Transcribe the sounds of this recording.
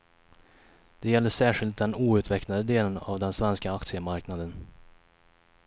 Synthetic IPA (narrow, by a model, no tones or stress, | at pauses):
d̪̥ɛjɛlːəʂæːɧɪlt̪̚d̪ɛnuːʉ̟ːt̪ʰvɛknad̪əd̪eːləna̰vd̪ɛnsvɛnskaakt̪sɪəmaɾknad̪ən